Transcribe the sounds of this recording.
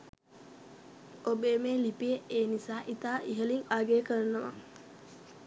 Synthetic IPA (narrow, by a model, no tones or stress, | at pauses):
obeːmeːlipijeeːnisaːʔit̪aːʔiɦəliŋaɡeːkəɾənəʋa̰